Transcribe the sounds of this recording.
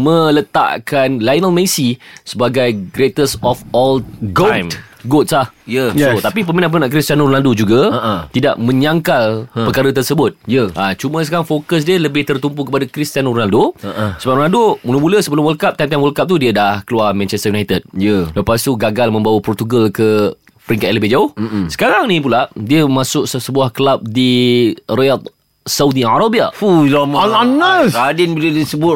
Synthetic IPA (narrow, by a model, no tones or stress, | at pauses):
mə̃lət̪a̰ʔkanlajnəlmesisəbaɡajɡɾet̪əsɔfɔlɡojtmɡot̪slahjət̪apipəminaʔpəminãʔkɾist̪anɾonaldod͡ʒuɡat̪ida̰ʔmə̃ɲaŋkalpəkaɾət̪ərsəbʊt̪̚jəʔat͡ʃumə̃səkaɾaŋfokəs̬diələbɪht̪ərt̪umpukəpadakɾist̪anronaldosəbap̚ɾonaldomuləmũləsəbəlʊmwəlkap̚t̪amt̪anwəlkap̚t̪udiədahkəluarmɛ̃nt͡ʃɛst̪əjunajt̪əd̚jələpas̬t̪uɡaɡalmə̃mbawəpɾot̪uɡalkə | pəɾiŋkat̪̚ləbed͡ʒaʊhsə̥kaɾaŋnĩp̬ulaʔdiəmãsʊksəbuahkəlap̚diriat̪̚ | saudiaɾabiaulamanaadinbilədisəbʊt